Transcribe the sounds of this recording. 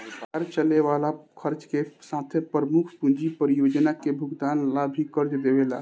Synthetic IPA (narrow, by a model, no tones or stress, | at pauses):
baɾt͡ʃəleʋalakʰəɾt͡ʃkesãt̪ʰjepɾəmukʰpund͡ʒipəɾijod͡ʒnakebʱuɡd̪anlabʱikəɾd͡ʒd̪ebela̰